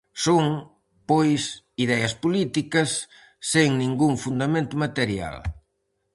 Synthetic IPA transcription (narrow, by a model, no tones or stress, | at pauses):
soŋ | pojs | iðɛɐspolit̪ikɐsː | eŋnĩŋɡuŋfund̪amẽnt̪ʊmat̪eɾja̰l